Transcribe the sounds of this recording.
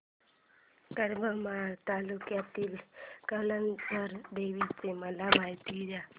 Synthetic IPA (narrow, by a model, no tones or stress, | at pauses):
kəɾbamat̪aːlukjat̪ilkələnsəɾd̪eːʋit͡ʃemalamajt̪iɾa